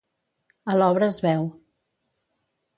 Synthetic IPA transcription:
əlɔβɾəːzβɛw

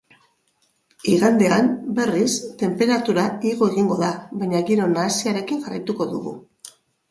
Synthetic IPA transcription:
iɣand̪e̞ambe̞rist̪e̞mpe̞ɾat̪uɾaiɣo̞e̞ɣiŋɡo̞ðaβaɲaɣiɾo̞naːsiaɾe̞kiŋɡarajt̪uko̞ðuɣṵ

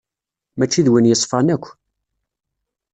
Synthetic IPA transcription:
mæt͡ʃːiðwənjəsˤfɑnækʷː

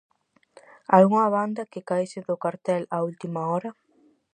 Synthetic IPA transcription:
ajuŋɐβand̪ɐkɪkajsɪðʊkaɾt̪ɛlault̪imɐɔɾɐ

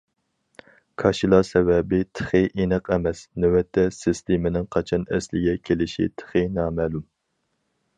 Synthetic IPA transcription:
kʰɑʃilˠɑsɛvɛbɪt̪ʰə̥χɨʔinɨqɛmɛsnewɛt̪ʰːɛsɨst̪emɪnɪŋqʰɑt͡ʃʰɑnɛ̰slɪɡʲɛkʲʰelɪʃḭt̪ʰə̥χɨnɑːmɛːlum

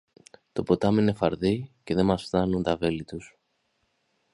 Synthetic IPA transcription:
t̪opo̞t̪ɐmine̞fɐɾðice̞ðe̞mɐsfθɐnunt̪ɐve̞lit̪us

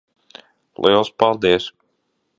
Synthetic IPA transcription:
lʔḭlˠspalˠd̪iɛs

